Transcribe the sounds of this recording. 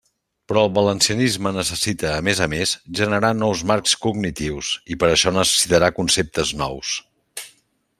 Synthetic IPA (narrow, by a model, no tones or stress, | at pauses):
pɾɔəlˠβələnsiənizmənəsəsit̪əːmezəmesʒənəɾanɔwzmaɾkskuɡnit̪iwsipəɾəʃɔnəsə̥sit̪əɾakunsep̚t̪əznɔ̰ws